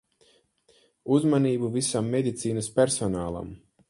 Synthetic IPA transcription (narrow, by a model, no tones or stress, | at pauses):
uzmaniːbuvisamːed̪ʲit̪siːnaspʲɛɾsɔnaːlˠa̰m